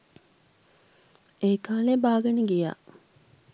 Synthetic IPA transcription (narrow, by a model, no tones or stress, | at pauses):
eːkaːlebaːɡənəɡija̰ː